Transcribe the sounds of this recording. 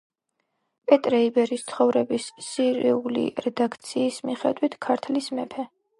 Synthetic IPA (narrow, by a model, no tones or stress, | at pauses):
pʼɛt̪ʼɾɛibɛɾist̪sʰχɔvɾɛbisːiɾiulḭɾɛd̪akʰt̪sʰiːsmiχɛ̰d̪wit̪ʰkʰaɾt̪ʰlismɛpʰɛ